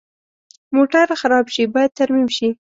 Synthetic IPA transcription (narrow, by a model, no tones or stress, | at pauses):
moʈaɾxaɾɑbʃibɑjad̪̚t̪aɾmimʃi